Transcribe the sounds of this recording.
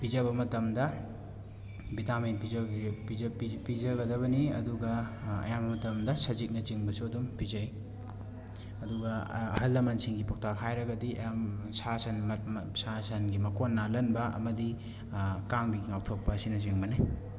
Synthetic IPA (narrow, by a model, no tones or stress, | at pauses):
pizɐβɐmɐtɐmdɐ | bitaminpipipipizɐɡɐdɐβɐniɐ̰duɡɐɐ̰jamɐmɐtɐmdɐsɐzik̚nɐt͡ʃiŋbɐsuɐdumpizɐj | ɐduɡɐɐ̰hɐlːɐmɐnsiŋɡipok̚tʰakhʰajɾɐɡɐdiʔɐ̰jamsasɐnsasɐnɡimɐkonːalɐnbɐɐ̰mɐdi | kaŋbiŋawtʰok̚pɐːsinɐt͡ʃiŋbɐnaj